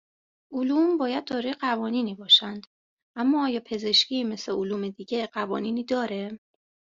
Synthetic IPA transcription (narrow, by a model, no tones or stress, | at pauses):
ʔoluːmbɒːjæd̪̚d̪ɒːɾɒːjeɢævɒːniːniːbɒːʃænd̪̥ | ʔæmːɒːjɒːpʰe̞ze̞ʃcime̞sleoluːme̞d̪iːɟe̞ɢævɒ̰ːniːniːd̪ɒːɾe̞